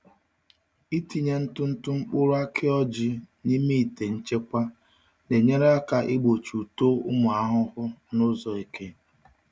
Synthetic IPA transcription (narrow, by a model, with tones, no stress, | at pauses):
i˦ti˨ɲe˦n̩˦tʊ˦n̩˦tʊ˦ŋ͡m̩˦k͡pʊ˦ɾʊ˦a˦kʰɪ˦ɔ˦d͡ʒɪ˦ni˦mi˦i˨te˨n̩˦t͡ʃe˦kʷa˦ | ne˨ɲe˦ɾe˦a˦ka˨ʔɪ˦ɡ͡bo˨t͡ʃu˨to˦ʊ˦mʊ˨a˦ɦʊ˦hʊ˦nʊ˦zɔ˨i˨ke˦